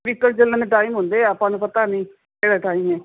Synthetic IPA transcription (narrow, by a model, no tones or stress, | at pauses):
ʋɪkːəld͡ʒələ̃neʈaːimɦʊ̃nd̪eːapãːnũːpət̪aːnĩː | eːɽaːʈaːimɛː